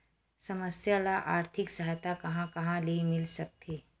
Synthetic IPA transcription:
sɐməsjalaʔaːɾt̪ʰɪksɐɦjt̪akɐɦãkɐɦãlimɪlsɐk̚t̪ʰiː

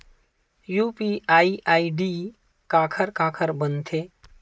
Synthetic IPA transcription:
juːpiʔaːiʔaːiɖi | kaːkʰəɾkaːkʰəɾbənt̪ʰeː

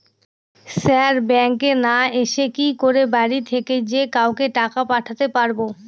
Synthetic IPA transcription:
sɛɾbɛŋkenaeʃekikoɾebaɾit̪ʰeked͡ʑekawkeʈakapaʈʰat̪epaɾbo

